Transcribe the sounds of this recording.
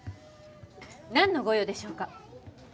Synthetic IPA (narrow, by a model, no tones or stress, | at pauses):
nãnːo̞ɡo̞jo̞d̪e̞ɕo̞ːka